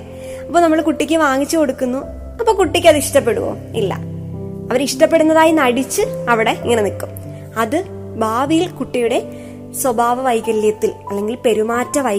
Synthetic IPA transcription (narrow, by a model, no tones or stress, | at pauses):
ɐpːonɐmːɐɭkuʈːikʲːɨʋaːŋit͡ɕːɨko̞ɽukːunːu | ɐpːoːkuʈːikʲːɐðɨiʂʈɐp̬ːe̞ɽuʋo̰ː | ilːɐ̰ | ɐʋɐɾiʂʈɐp̬ːe̞ɽunːɐðaːjinɐɽit͡ɕːɨɐʋiɽe̞iŋːɐne̞nikːum | ɐðɨ | bʱaːʋijilkuʈːijuɽe̞ | swɐbʱaːʋɐʋɐjɣɐljɐt̪ːilɐlːe̞ŋɡilpe̞ɾumaːtːɐʋɐj